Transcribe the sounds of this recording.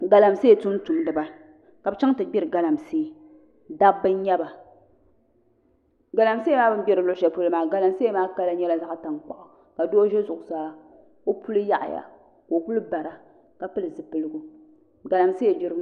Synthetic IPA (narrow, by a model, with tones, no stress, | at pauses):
ɡa˨la˨mseː˦e˨tu˦m˦tu˨m˦dɨ˨ba˨ | ka˨bɨ˨t͡ʃa˦ŋ˦tɨ˨ɡ͡bʲɛ˦ɾɨ˨ɡa˨la˨mseː˦˨ | da˦bɨ˦n˦ɲɛ˦ba˨ | ɡa˨la˨mse˦maː˦bɨ˦n˦bɛ˦ɾɨ˨lʊ˦ʔʊ˦ʃa˨pu˦lɨ˦maː˨ɡa˨la˨mse˦maː˦ka˦la˦ɲɛ˦la˦za˦ʔta˨ŋk͡pa˨ʔʊ˨ | ka˨doː˦ʒɛ˦zʊ˨ʔʊ˨saː˦ | o˦pʰu˦lɨ˦ja˦ʔa̰˨ja̰˨ | ko˨ku˦lɨ˦ba˨ɾa˨ | ka˨pɨ˦lɨ˨zɨ˨pɨ˨lɨ˦ɡʊ˦ | ɡa˨la˨mse˦˨di˦ɾɨ˦